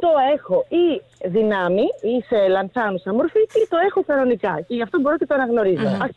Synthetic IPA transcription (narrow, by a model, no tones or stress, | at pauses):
t̪o̞e̞xo̞i | ðinɐmiise̞lɐnθɐnuseɐmo̞ɾficet̪o̞e̞xo̞kɐno̞nikɐce̞ʝɐft̪o̞bo̞ɾo̞cet̪oɐnɐɣno̞ɾizo̞ɐ